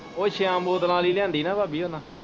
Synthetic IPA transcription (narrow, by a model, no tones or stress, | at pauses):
oːt͡ʃʰeãːmboːd̪lãːliːlɪjãːnd̪iːnãːbaːbiːɦoːnãː